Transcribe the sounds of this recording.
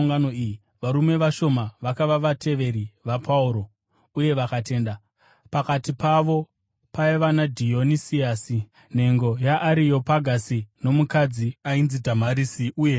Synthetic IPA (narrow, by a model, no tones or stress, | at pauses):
ŋɡanoiji | ʋaɾume̞ʋaʃo̞maʋakaʋaʋatʰe̞ʋe̞ɾiʋapʰauɾo̞ | uje̞ʋakate̞ːnda | pakatipaʋo̞ | paiʋanadʱio̞nisiasi | ne̞ŋɡo̞jaʔːɾijo̞paɡʱasino̞mukad͡ziainzidʱamaɾisiʔuːje